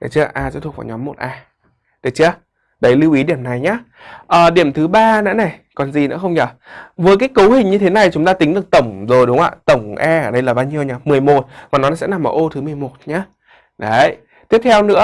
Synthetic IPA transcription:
ɗə˨˩jt͡ɕɨ˧˦ʔaː˧sɛ̰˧˥t̪̚ʰvaː˧˩ɲɔ˨˦mːo˨˩t̚ʔaː˧ | ɗ̪ə˨˩t͡ɕɨ˧ə | ɗə˨˦jli˧wʔi˨˦ɗi˧˩əmna˨˩jɲaː˨˦ | ʔəː˨˩ɗi˧˩əmt̪ʰɨ˨˦ɓaː˧nɛ̰˧˥na˨˩jkɔ˨˩nzi˨˩nɨ̰˧˥əxə˧wŋ͡mɲəː˧˩ | vəː˨˦kaː˨˦jkə˨˦whï˨˩ŋ̟ɲɨ˧t̪ʰe˨˦na˨˩jt͡ɕʊ˨˦ŋ͡mt̪aː˧t̪ï˨˦ŋ̟ɗɨ˨˩ək̚t̪ə˧˩wŋ͡mzo˨˩jɗʊ˨˦ŋ͡mʔa̰ː˧˨t̪ə˧˩wŋ͡mʔɛ˧ʔəː˧˩ɗə˧jlaː˨˩ɓaː˧wɲi˧əwɲaː˨˦mɨ˨˩əjmo˨˩t̚maː˨˩nɔ˨˦na˧˨˩sɛ̰˧˥na˨˩mʔəː˨˩ʔo˧t̪ʰɨ˨˦mɨ˨˩əjmo˨˩t̚ɲaː˨˦ | ɗə˨˦j | t̪i˦˥əp̚t̪ʰɛ˧wnɨ̰˧˥ə

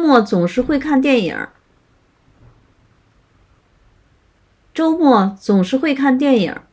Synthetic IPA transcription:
mwɔ˥˩t͡sʊ˨˩ŋʂɻ̩˥˧xwe˥˧ɪkʰa˥˧nt̪̬jɛ˥˩nḭ˨˩˦ | ʈ͡ʂo˥ʊmwɔ˥˩t͡sʊ˨˩ŋʂɻ̩˥˧xwe˥˧ɪkʰa˥˧nt̪jɛ˥˩nḭ˨˩˦

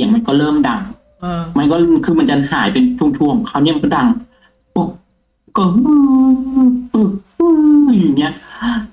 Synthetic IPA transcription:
ŋma˧nkɔː˥˩ɾɤː˥˩mda˧ŋː˧˩ | ma˧nkɔː˥˩˧kʰɯː˧ma˧nt͡ɕa˧ha̰ː˩˦jpe˧nt͡ɕʰu˧˥˩ŋt͡ɕ̪ʰu˧əmkʰaː˥˩wni˦˥˨ma˧kɔ˥˩da˧ŋ | po˨˩k̚ | kɤ˧˩ɦ | t̪ɯ˨˩k̚ | ɯ˧˩˧ji˨˩ŋːi˦˥ɐʔ

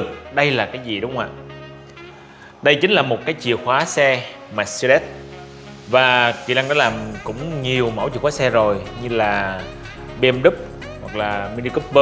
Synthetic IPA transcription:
ɨ˨˩k̚ɗə˧jlaː˨˩kaː˨˦jzi˨˩ɗʊ˨˦wŋ͡mha̰ː˧˨ | ɗə˧jt͡ɕï˨˦ŋ̟laː˨˩mo˨˩t̚kaː˨˦jt͡ɕḭ˧˨əxwaː˨˦sɛ˧ | maː˨˩si˧ɛ˦˥t̚ | vaː˨˩kḭ˨la˧ŋnɔ˨˦laː˨˩mkʊ̰˧˥ŋ͡mɲi˨˩əwmə̰˧˩wt͡ɕḭ˨kwaː˨˦sɛ˧zo˨˩jɲɨ˧laː˨˩ | ɓɛ˧mɗɨ˦˥p̚ | wa˨˩k̚laː˨˩mi˧ni˧ku˦˥p̚ɓə˧

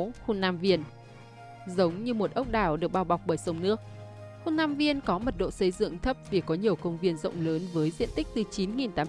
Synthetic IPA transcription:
xu˧nːaː˧mvi˧ən | zə˨˦wŋ͡mɲɨ˧mo˨˩t̚ʔə˦˥wk͡p̚ɗaː˧˩wɗɨ˨˩ək̚ɓaː˧˩wɓa˨˩k͡p̚ɓəː˧˩jsə˨˦wŋ͡mnɨ˦˥ək̚xu˧naː˧mvi˧ənkɔ˨˦mə˨˩t̚ɗo̰˧˨sə˨˧˩jzɨ̰˧˨əŋt̪ʰə˦˥p̚vi˨˩kɔ˨˦ɲi˨˩əwkə˧wŋ͡mvi˧ənzə̰˧˨wŋ͡mləː˨˦nvəː˨˦jzḭ˧˨ənt̪ï˦˥k̟̚t̪ɨ˨˩t͡ɕi˨˦nŋi˨˩nt̪aː˨˦

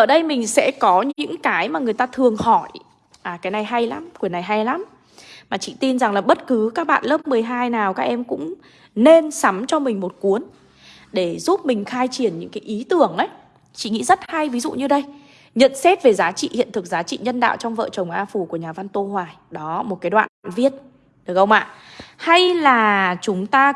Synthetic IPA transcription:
ʔʔəː˧˩ɗə˧jmï˨˩ŋ̟sɛ̰˧˥kɔ˨˦ɲɨ̰ɨ̰˧˥ŋkaː˨˦jmaː˨˩ŋɨ˩əjt̪aː˧t̪ʰɨ˨˩əŋhɔ˧˩j | ʔaː˨˩kaː˨˦jna˧˩jɦa˧jla˨˦mkwəna˨˩jɦa˧jla˨˦m | maː˨˩t͡ɕḭ˧˨t̪i˧nza˨˩ŋlaː˨˩ɓə˦˥t̚kɨ˨˦kaː˦˥k̚ɓa̰ː˧˨nlə˦˥p̚mɨ˨˩əjɦaː˧jnaː˨˩wkaː˦˥k̚ʔɛ˧mkʊ̰˧˥ŋ͡m | ne˧nsa˨˦mt͡ɕɔ˧mï˨˩ŋ̟mo˨˩t̚ku˨˦ən | ɗe˧˩zu˦˥p̚mï˨˩ŋ̟xaː˧jt͡ɕi˨˩ənɲɨ̰˧˥ŋkaː˨˦jʔi˨˦t̪ɨ˨˩əŋʔə˨˦j | t͡ɕḭ˧˨ŋḭ˧˥zə˦˥t̚ha˧jvi˨˦zṵ˧˨ɲɨ˧ɗə˧j | ɲə̰˧˨nsɛ˦˥t̚ve˨˩zaː˨˦t͡ɕḭ˧˨hḭ˧˨ənt̪ʰɨ˨˩k̚zaː˨˦t͡ɕḭ˧˨ɲə˧nɗa̰ː˧˨wt͡ɕɔ˧wŋ͡mvə̰ː˧˨t͡ɕə˨˩wŋ͡mʔaː˧fu˧˩ku˧˩əɲaː˨˩va˧nt̪o˧hwaː˨˩jɗɔ˨˦mo˨˩t̚kaː˨˦jɗwa̰ː˧˨nɗwa̰ː˧˨nvi˧ət̚ | ɗɨ˨˩ək̚ʔə˧wŋ͡mʔa̰ː˧˨ha˧jlaː˨˩t͡ɕʊ˨˦ŋ͡mt̪aː˧

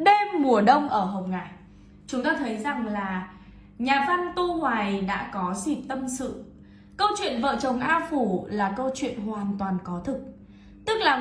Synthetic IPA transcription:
ɗe˧mːu˨˩əɗə˧wŋ͡mʔəː˧˩ɦə˨˩wŋ͡mŋaː˧˩j | t͡ɕʊ˨˦ŋ͡mt̪aː˧t̪ʰə˨˦jza˨˩ŋlaː˨˩ | ɲaː˨˩va˧nt̪u˧ŋwaː˨˩jɗa̰ː˧˥kɔ˨˦zi˨˩p̚t̪ə˧msɨ̰˧˨ | kə˧wt͡ɕwḭ˧˨ənvə̰ː˧˨t͡ɕə˨˩wŋ͡mʔaː˧wfu˧˩laː˨˩kə˧wt͡ɕwḭ˧˨ənhwaː˨˩nt̪waː˨˩nkɔ˨˦t̪ʰɨ˨˩k̚ | t̪ɨ˦˥k̚laː˨˩

